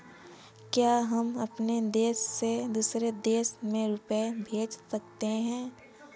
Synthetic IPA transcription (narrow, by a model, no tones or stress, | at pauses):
kjaːɦɐmɐpned̪eːsːed̪uːsɾed̪eːsmẽɾʊpebʱeːd͡ʒsɐkt̪eɦɛ̃ː